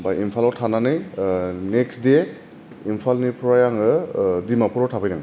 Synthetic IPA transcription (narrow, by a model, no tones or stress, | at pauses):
bajimpʰalɔwtʰananɯjneksde | impʰalnipʰuɾajaŋɯdimapʰuɾɔtʰabʰajnaŋ